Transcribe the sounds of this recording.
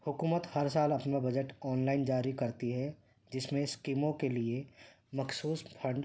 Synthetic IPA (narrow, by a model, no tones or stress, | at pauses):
hʊkuːmət̪hɐɾsaːlɐpnabɐd͡ʒəʈɔːnlaːɪnd͡ʒaːɾikɐɾt̪iɦɛ | d͡ʒɪsmẽskimõkelie | mɐxsuːspʰə̃ɳɖ